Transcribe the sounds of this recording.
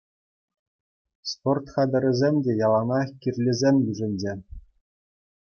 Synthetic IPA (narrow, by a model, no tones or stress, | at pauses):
sport̪χɑd̪ʲɤ̆ɾʲɘ̆zʲemʲdʲejɑlˠɑnɑkʲirʲlʲezʲemʲjyʐɘ̆nʲd͡ʑe